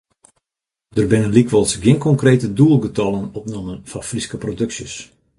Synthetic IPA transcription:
d̥ərbɪnənlikʋɔlˠsɡɪnkɔŋkreːtəduəlˠɡətɔlˠənɔpnomənfɑnfriskəprodøksjəs

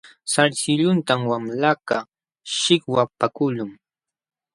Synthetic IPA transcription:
saɾsɪʎʊnt̪amwamlaka | ʃɪkwapakʊʎʊŋ

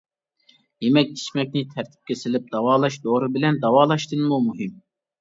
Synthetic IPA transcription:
jemɛk̚ʲt͡ʃʰi̥ʃmɛk̚ʲnɪt̪ʰæɾt̪ʰɪ̥p̚kʲɛsɪlɪp̚d̪̥ɑwɑːlˠɑʃd̪oːɾɨbɪlɛnd̪ɑwɑːlˠɑʃt̪ɨnmumuɦɨm

